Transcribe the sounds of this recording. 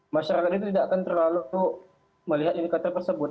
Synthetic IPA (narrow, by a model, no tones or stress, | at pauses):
maʃaɾakat̪̚it̪ut̪idaːkant̪ərlaluu | məliɦat̪inikat̪ərt̪ərsəbʊt̪̚